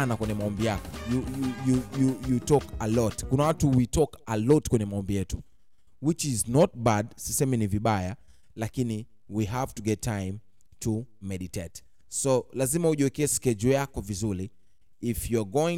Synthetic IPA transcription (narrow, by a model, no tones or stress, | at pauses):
anakwɛɲɛmaɔmbijakɔ̥juujujujutɔkalɔtkunawatuwitɔkalɔtkwɛɲɛmaɔmbijɛtu | wit͡ʃiznɔt̚badsisɛmɛniviɓaja | lakini | wiɦavtuɡɛtʰːãjm | tʰumɛɗitet | sɔlazimauʄuwɛkɛːskɛd͡ʒɔjakɔvizuɾiː | fjuɡɔĩŋ